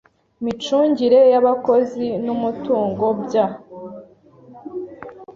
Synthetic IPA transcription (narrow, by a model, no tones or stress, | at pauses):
mit͡ʃuːɲɟiɾe̞jaβako̞zinumutuːŋɡo̞bɟa